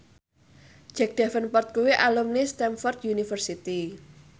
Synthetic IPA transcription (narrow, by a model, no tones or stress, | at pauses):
d͡ʒ̥ɛk̚d̪̥ɛfənpɔrt̪̚kuwiʔalumnist̪ɛmfɔrt̪junifərsit̪i